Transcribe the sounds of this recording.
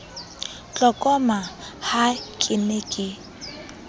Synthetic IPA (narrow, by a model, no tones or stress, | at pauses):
t͡ɬʼɔkʼɔmahakʼɪnekʼɪ